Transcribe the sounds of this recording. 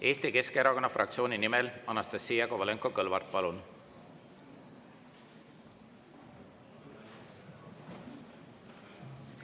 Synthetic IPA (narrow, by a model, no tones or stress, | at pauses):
e̞ːst̪ike̞skeɾɑko̞nːɑfrʔɑ̰k̚t̪sio̞ːninimɛlɑnɑst̪ɑsːiːjɑkovɑleŋkokɤlvɑrt̪̚pɑlun